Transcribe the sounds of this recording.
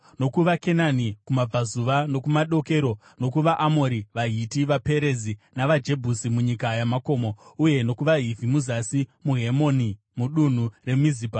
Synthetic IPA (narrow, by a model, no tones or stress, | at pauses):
no̞kuʋake̞nanikumab͡vazuʋano̞kumaɗo̞ke̞ɾo̞ | no̞kuʋaʔamo̞ɾiʋaɦitiʋape̞ɾezinaʋad͡ʒe̞bʱusimuɲikajamako̞ːmo̞uje̞no̞kuʋaɦivʱimuzasimuɦe̞mo̞ni | muɗun̤ure̞miziba